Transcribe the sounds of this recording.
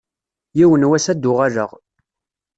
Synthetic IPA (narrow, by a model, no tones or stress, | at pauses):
jiwənwæsæd̪ːʊʁaʒəʁ